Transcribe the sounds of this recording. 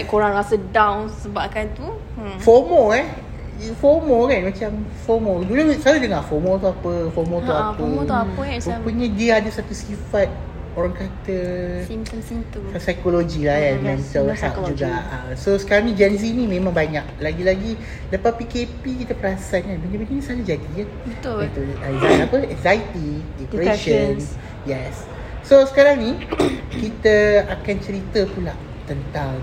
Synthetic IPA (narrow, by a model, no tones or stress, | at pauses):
aʔkoɾaŋɾasədawnsəbap̚kant̪u | fɔmoɛ | fɔmokanmat͡ʃamfɔmodulasaɾadəŋaʔfɔmot̪uapəfɔmot̪uapə | puɲãdiəadasat̪usifat̪̚ | oɾaŋkat̪ə | it̪uasajkolod͡ʒilahkanmansawt̪aʔd͡ʒuɡaʔasosə̥kaɾaŋnĩd͡ʒɛnz̬inĩmẽmãŋbaɲak̚laɡilaɡi | dəpapikepikit̪əpəɾasat̪̚namənə̃bininĩsalad͡ʒadija | it̪uɛzaapəɛŋzajt̪idipɾeʃən | jɛsː | osə̥kaɾaŋnikit̪əakant͡ʃəɾit̪əpulaʔ | t̪ənt̪aw